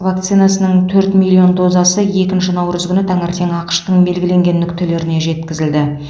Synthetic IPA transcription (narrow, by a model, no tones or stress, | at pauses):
vak̚t̪sijnasənəɴt̪ʰɵɾt̪milˠːio̞nd̪o̞zɑsəje̞kʲɪnʃɪnɑwɾəzɡʲʏnɪt̪ʰɑŋɪɾt̪ʰe̞ŋɑqə̥ʃt̪əɴbe̞lɡʲɪle̞ŋɡʲe̞nːʏkʲt̪ʰele̞ɾɪne̞ʒe̞t̪kʲɪzɪld̪ɪ